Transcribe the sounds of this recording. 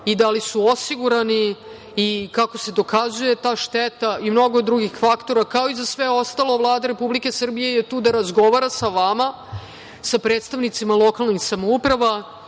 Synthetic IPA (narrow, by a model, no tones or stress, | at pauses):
id̪alisuo̞siɡuɾaniː | kako̞se̞d̪o̞kazuje̞t̪aːʃt̪et̪aimno̞ɡod̪ɾuɡixfakt̪o̞ɾakao̞izasʋe̞o̞st̪alo̞vlˠaːd̪aɾe̞publike̞sr̩bije̞jet̪uːd̪aɾazɡo̞ʋaɾasaʋama | sapɾe̞ːt̪st̪aʋnit̪simalˠo̞kalˠnixsamoupɾaʋa